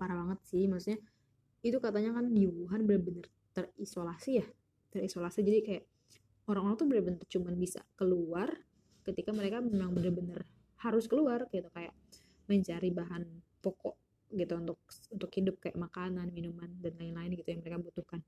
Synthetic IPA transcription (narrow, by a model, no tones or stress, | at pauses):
paɾabaŋət̪̚sɪhmasut̪̚ɲa | it̪ukat̪aɲakandiwuɦanbənərbənər | t̪ərisolasijah | t̪ərisolasid͡ʒadikajaʔ | oɾaŋoɾaŋt̪ubənəbənərt͡ʃumanbisa̰kəluar | kət̪ikaməɾekamemaŋbənərbənər | haɾʊskəluarɡɡit̪ukaja̰ʔ | məɲt͡ʃaɾibaɦanpɔkɔʔ | ɡit̪uunt̪ʊk̚unt̪ʊkhidʊp̚kaja̰ʔmakananminumandanlaɪnlaɪnɡit̪ujaŋməɾekabut̪uhkan